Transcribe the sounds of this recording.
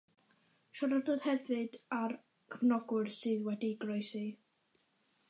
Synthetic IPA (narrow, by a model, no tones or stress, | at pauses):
ʃaɾɔdʊð̥hɛvɨdar | kʰəvnɔɡʊrsɨːðwɛdiɡrɔjsi